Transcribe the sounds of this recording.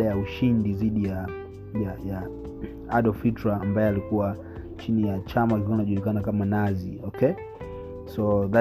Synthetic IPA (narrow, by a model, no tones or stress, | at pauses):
ajauʃindiðiɗija | jaja | aɗɔfitɾaːmbajɛalikuwa | t͡ʃinijat͡ʃamakuanaʄulikanakamanaziɔkʰɛ | sɔða